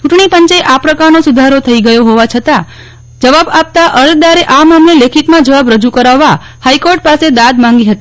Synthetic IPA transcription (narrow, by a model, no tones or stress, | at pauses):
t͡ʃuʈɳipəɲt͡ʃeʔapɾəkaɾnosud̪ʱaɾot̪ʰəiɡəjoɦoʋat͡ʃʰət̪a | d͡ʒəʋabap̚t̪aʔəɾd̪aɾeʔamamlelekʰit̪mãd͡ʒəʋabɾəd͡ʒukəɾaʋːa | haikoɾʈ̚pased̪ad̪mãŋ̆ɡiɦət̪i